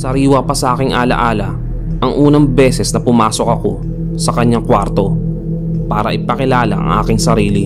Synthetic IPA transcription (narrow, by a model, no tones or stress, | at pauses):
sɐɾiːwɐpɐsɐʔaːkɪŋʔaːlɐ̰ʔaːlɐ | ʔɐŋʔuːnɐŋbɛːsɛsnɐpʊmaːso̞kɐko̞̰ | sɐkɐɲaŋkwaɾt̪o̞ | paːɾɐ̰ʔɪpɐkɪlaːlɐ̰ʔɐ̰ŋʔa̰ːkɪŋsɐɾiːli